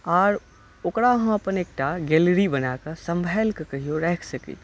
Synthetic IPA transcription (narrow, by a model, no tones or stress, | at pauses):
ɔːɾ | okɽaɦə̃məpəneːk̚ʈaɡɛlɾibənakəsə̃mbʱajlkəkəɦijoɾɛɦkʰsəkḭ